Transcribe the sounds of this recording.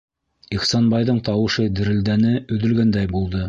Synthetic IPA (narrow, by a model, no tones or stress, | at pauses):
iχsɑnbɑjðɤɴt̪ɑwɤ̆ʃɤd̪ɘ̆ɾɘ̆ld̪ænɘɵ̆ðɵ̆lɡænd̪æjbulˠd̪ɤ